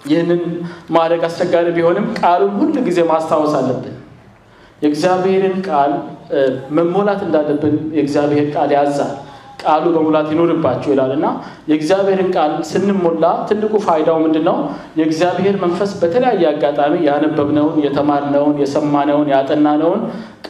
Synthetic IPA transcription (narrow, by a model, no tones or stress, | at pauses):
jɪhnːɨnmad̪ɾəɡast͡ʃʼɛɡːaɾibiho̞nɨmːkʼalumhulːuɡize̞mast̪ʰawɔsalːəbːɨn | jɛɡzijaβhe̞ɾɨnkʼal | məmːo̞lat̪ɨnd̪alːəbːɨnjɛɡzijaβhe̞ɾkʼaljazːalkʼalubəmolat̪jɛno̞ɾɨbːat͡ʃːɛwɪlalɨnːajɛɡzjaβhe̞ɾɨnkʼalsɨnːɨmːo̞lːat̪ʰɨnːɨkʼufajd̪awmɨnd̪ɨnːəw | jɛɡzijaβhe̞ɾmənfəsbət̪ʰələjajːɛaɡat̪ʼamijanəbːəβnəwnjɛt̪ʰəmaɾnəwnjɛsəmːanəwnjat̪ʼənːanəwn | kʼ